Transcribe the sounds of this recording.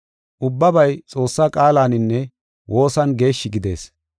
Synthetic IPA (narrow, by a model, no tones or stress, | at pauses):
ʔʊbːɐbɐjt͡sʼo̞ːsːakʼaːlaːnɪnːɛ | wʔo̞ːsɐnɡe̞ːʃːɪɡɪd̪e̞̰ːs